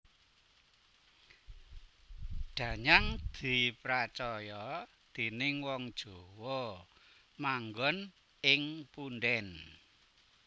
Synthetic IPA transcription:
ɖ̪̥ä̤ɲaŋd̪̥i̤pɾat͡ʃɔjɔ | d̪̥e̤nɪŋwɔŋd̥ʒ̥o̤wɔ | maŋɡɔn | ɪŋpunɖɛn

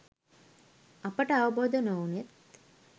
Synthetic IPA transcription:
apəʈəaʋəboːd̪ənounet̪

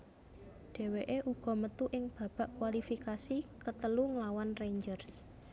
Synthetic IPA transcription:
ɖ̥e̤weʔeʔuɡ̥ɔ̤mət̪uʔɪŋb̥a̤b̥a̤ʔkwalifikasikət̪əluŋlawanreɲd͡ʒərs

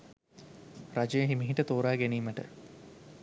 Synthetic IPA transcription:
rad͡ʒɐjəɦimiɦiʈət̪oːɾaːɡeniːməʈə̰

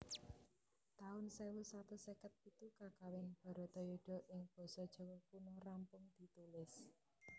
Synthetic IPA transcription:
t̪aʊnsewusat̪usekət̪̚pit̪ukakawɪŋb̥ɔ̤ɾɔ̤t̪ɔjuɖ̥ɔ̤ʔɪŋb̥ɔ̤sɔd̥ʒ̥ɔ̤wɔpunʊrampʊŋd̪̥i̤t̪ulɪs

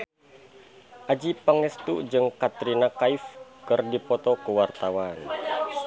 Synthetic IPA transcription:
ʔad͡ʒipaŋɛst̪ud͡ʒɨŋkat̪ɾinakaifkɨrdipɔt̪ɔkəwart̪awan

